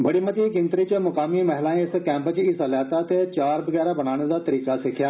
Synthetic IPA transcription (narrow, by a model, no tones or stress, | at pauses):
bəɽiːmət̪iːkɪ̃nt̪ɾit͡ʃəmʊkaːmimɛɦɪlãːɪskɛ̃ːmpət͡ʃisəljaːt̪aːt̪et͡ʃaːɾbəɡɛːɾaːbəñaːɽ̃ed̪aːt̪əɾiːkaːsɪkʰjaː